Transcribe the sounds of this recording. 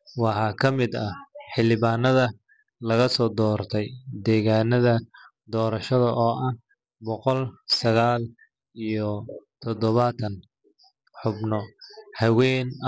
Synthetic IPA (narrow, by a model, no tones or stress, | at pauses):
wɑħɑːkʰɐmɪd̪ɐħɪlɪβaːnɐðɐ | lɐɣɐsɔːd̪ɔːrt̪ʰɛjd̪ɛːɣaːnɐðɐ | d̪ɔːɾɐʃɐðɐʔɔːʔɐh | bɔqɔlsɐɣaːl | ijɔt̪ʰɔd̪ɔβɐt̪ʰɐn | ħʊbnɔhɐwɛːn